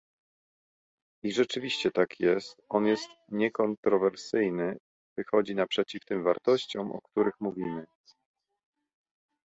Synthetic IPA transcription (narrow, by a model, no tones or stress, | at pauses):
iʐɛt͡ʂɘvʲiɕt͡ɕɛt̪akjɛst̪ɔnjɛst̪ɲɛkɔnt̪ɾɔvɛɾsɘjnɘ | vɘxɔd͡ʑinapʂɛt͡ɕift̪ɘmva̰ɾt̪ɔɕt͡ɕɔ̃mʔɔ̰kt̪uɾɘxmuvʲimɘ